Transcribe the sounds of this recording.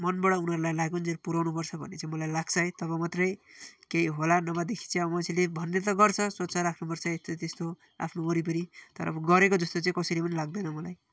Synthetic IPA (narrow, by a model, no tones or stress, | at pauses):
mʌnbʌɽʌunʌɾulajlaɡund͡zeɾpuɾawnupʌrt͡sʰʌbʱʌ̰nːet͡sãĩmʌlajlaɡsʰʌjt̪ʌβʌmat̪rʌjkejiɦolanʌmad̪ekʰi̥t͡sãʌmʌsʰilebʱʌnːet̪̬ʌɡʌrt͡sʰʌswʌt̪sʰʌrakʰnupʌrt͡sʰʌest̪ot̪est̪o | a̰pʰnooɾip̬ʌnit̪ʌɾʌ̰bɡʌɾekod͡zʌst̪ot͡saĩkʌsʌjlepʌnilaɡ̚d̪anʌmʌlaj